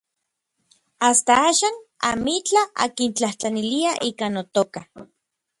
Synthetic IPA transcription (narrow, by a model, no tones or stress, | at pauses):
ast̪aaːʃaːnamit͡ɬaa̰kint͡ɬaht͡ɬaniliaʔikanot̪oka